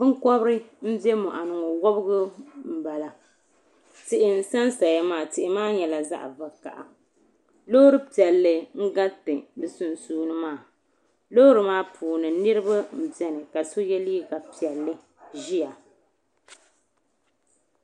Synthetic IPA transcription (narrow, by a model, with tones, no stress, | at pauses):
bɨ˦ŋkɔ˦bɾɨ˦m̩˦bɛ˦mɔ˨ʔa˨nɨ˨ŋɔ˨wɔ˦bɨ˦ɡʊ˦m̩˨ba˨la˨ | tɪ˨ʔɪ˨n̩˦sa˦nsa˨ja˦maː˦˨tɪ˨ʔɪ˨maː˦ɲɛ˨la˨za̰˦ʔa̰˨va˨ka̰˨ʔa̰˨ | lo˦ɾɨ˦pi˨ɛ˨lːɨ˦ŋ̩˦ɡa˦tɨ˨bɨ˦su˦n˨suː˦nɨ˦maː˦˨ | lo˦ɾɨ˨maː˦pʰuː˨nɨ˨nɨ˦ɾɨ˦ba˦m̩˨bɛ˦nɨ˨ka˨so˦jɛ˦li˦ɡa˨pi˨ɛ˨lːɨ˦ | ʒi˦a˨